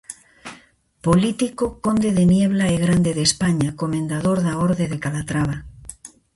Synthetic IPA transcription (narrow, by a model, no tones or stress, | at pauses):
polit̪ikoko̞nd̪eðenjeβ̞laeɣ̞ɾand̪e̞ðespaɲakomẽnd̪aðoɾðaoɾðeðekalat̪ɾaβ̞a